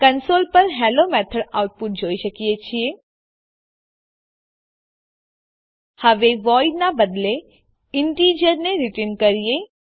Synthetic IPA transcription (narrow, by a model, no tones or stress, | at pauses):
kənsoːlpəɾɦɛːloːmɛːt̪ʰəɖaːʊʈ̚pʊʈ̚d͡ʒʱoːiʃəkiet͡ʃʰieː | həʋeʋɔːɪɖnãbəd̪le | ɪɳʈiːd͡ʒəɾneɾɪʈeːnkəɾije